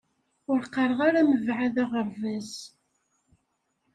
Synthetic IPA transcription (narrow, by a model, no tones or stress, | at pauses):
ʊɾqːɑɾˤəʁaɾaməvʕaðæʁəɾvæz